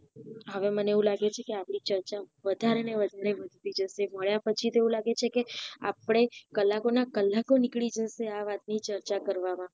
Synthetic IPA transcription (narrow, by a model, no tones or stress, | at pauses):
ɦəʋeməneeũlaɡet͡ʃʰekeapɽ̃it͡ʃəɾt͡ʃaʋəd̪ʱaɾeneʋəd̪ʱaɾeʋəd̪ʱt̪id͡ʒəʃeməɭjapət͡ʃʰit̪oeũlaɡet͡ʃʰekea̰pɽ̃ekəlːakonakəlːakonikɭid͡ʒəʃeaʋat̪̚nit͡ʃəɾt͡ʃakəɾʋamã